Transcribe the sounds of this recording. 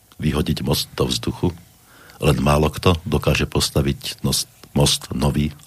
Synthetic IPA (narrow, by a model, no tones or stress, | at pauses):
ʋiɦɔɟiɟmɔst̪̚d̪ɔvzd̪uxu | lɛnmaːlɔkt̪ɔd̪ɔkaːʒɛpɔst̪aʋicnɔsmɔst̪nɔʋiː